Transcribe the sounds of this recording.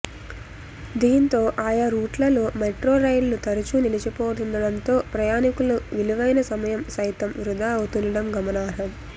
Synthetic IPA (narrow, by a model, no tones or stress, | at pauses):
d̪iːnt̪o̞ːʔaːjaɾuːʈlɐlumeʈɾoːɾɐjlnut̪ɐɾut͡ʃunilit͡ʃipoːʈ̪und̪ɐɽɐnt̪o̞ːpɾɐjaːnikuluʋiluʋɐjnɐsɐmɐjɐmsɐjt̪ɐmʋɾud̪ʱaːɐwut̪und̪ɐɽɐmɡɐmɐnaːɾɐm